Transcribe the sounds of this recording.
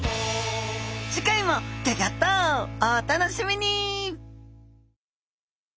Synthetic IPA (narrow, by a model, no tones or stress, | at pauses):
d͡ʑikaimokeɡat̪ːoat̪anoɕimʲiɲ̟i